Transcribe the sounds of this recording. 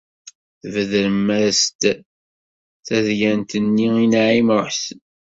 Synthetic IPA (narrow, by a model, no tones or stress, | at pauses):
θvəðɾəmːæɾst̪ | θæðjænt̪ənːiinaʕimʊħsən